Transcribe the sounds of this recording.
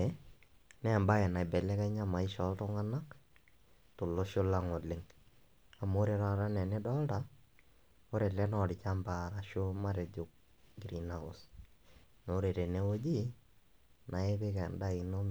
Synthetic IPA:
nɛ˦˨mba˦ɛ˨na˨bɛ˨lɛ˦kɛ˦ɲa˦ma˨ɪ˦ʃɔ˦ltʊ˦ŋa˦na˦k | tʊ˨lo˦ʃo˦la˦ŋo˨lɪ˦ŋ | a˨mo˦ɾe˨˦ɾa˦ɾa˦nɛ˨nɪ˦dɔ˦lta˨ | o˦ɾe˨lɛ˦nɔ˦˨ɾɪ˨t͡ʃa˦mba˨ɾa˨ʃo˦ma˦ɾe˨d͡ʒʊ˨k̚ | ɡi˨ɾi˨na˨o̰˨s | no˨˦ɾe˨ɾe˨ne˦wo˦d͡ʒi˦ | na˨e˦bɪ˦kɛ˨nda˦i˨no˦m

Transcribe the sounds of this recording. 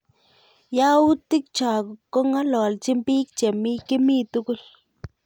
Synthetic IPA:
ja˦u˦t̪i˦k̚t͡ʃa˨ɡu˨kːo˦ŋa˦lo˨lt͡ʃi˦mpi˦kt͡ʃe˨mi˦ki˦mi˦t̪u˦ku˦l

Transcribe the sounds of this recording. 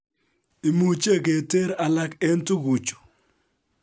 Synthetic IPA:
i˨mu˨t͡ʃe˦˨ke˨te˦ɾa˨la˦ke˦ntʊ˦ɡu˨t͡ʃo̥˨

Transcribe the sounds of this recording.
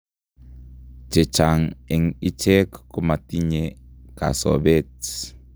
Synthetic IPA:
d͡ʒe˨t͡ʃʰa˨ŋe˨ŋi˦t͡ʃʰɛ˦kku˦ma˨ti˦ɲe˨ka̰˨sɔ̰˨βe˦t͡s

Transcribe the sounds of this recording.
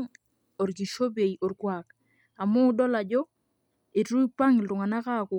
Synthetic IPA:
ŋ | o˨ɾɡi˨ʃo˦be˨jʔo˨ɾkwa˨k | a˨mʊ˦dɔ˦la˨d͡ʒɔ˦ | e˨tu˦ipa˦ŋ˨lʊ˨ŋa˨na˦ka˦˨ku˨

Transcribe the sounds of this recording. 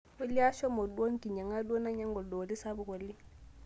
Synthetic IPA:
we˦li˦a˦ʃɔ˦mɔ˨ɗu˦o˦ŋki˨ɲa˨ŋa˦ɗo˦na˦ɲa˦ŋɡɔ˨dɔ˨li˦sa˦bu˨ko˨lːi˦

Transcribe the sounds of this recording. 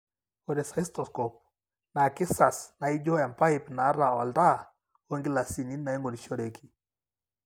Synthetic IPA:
ɔ˨ɾɛ˨sa˨i˦stɔ˨skɔ˨p̚ | na˨kɪ˦sa˨sna˨i˦d͡ʒɔ˦ɛ˨mpa˦i˨pna˨˦ɾa˨ɔ˨lta˦ | o˦ŋɡi˦la˨si˨ni˦nna˨i˦ŋɡo˨ɾi˨ʃɔ˦ɾe˨ki̥˨

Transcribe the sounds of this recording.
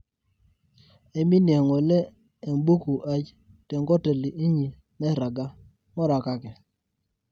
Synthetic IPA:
e˨˦mi˦nje˨ŋo˨leː˦˨ | mbu˦ku˨ʔa˦t͡ʃ | te˨ŋɡɔ˦te˨li˨ʔi˦ɲi˨ | mɛ˦ɾa˨ɡa˦ | mɔ˦ɾa˨ka˦kɛ˨

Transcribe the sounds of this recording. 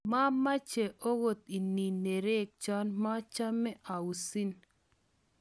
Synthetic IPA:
ma˦ma˦t͡ʃe˨ʔo˦wo˨t̪i˨ni˨ne˨ɾe˦k̚t͡ʃa˦nma˦t͡ʃa˦mːɛ˦ʔa˨u˨si˦n

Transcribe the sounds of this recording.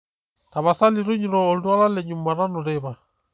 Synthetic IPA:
ta˨βasa˦liɾu˦ɲiɾɔːldwa˦la˦lɛɲuma˨ɾa˦nɔ˨ɾɛβa

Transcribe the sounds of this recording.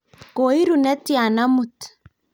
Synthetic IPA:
ko˨i˦ɾu˨nɛ˦ti˦a˨na˦mu˨t

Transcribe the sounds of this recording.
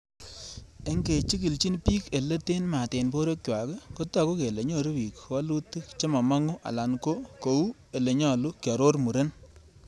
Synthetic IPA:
e˦ŋɡe˨t͡ʃi˦k̬i˨lt͡ʃi˦npi˦ke˨le˦te˦nma˨te˨npo˦ɾo˦k̚wa˨ke˦ko˦ta˨ko˦ke˨le˨ɲo˦˨ɾo˦wi˨kwa˦lu˦ti˦kt͡ʃe˦ma˨ma˦ŋʊ˦ʔa̰˨la˨nko˦ko˨u˦ | e˨le˨ɲɔ˦˨lu˦kja˨ɾo˦rmu˨ɾe˦n

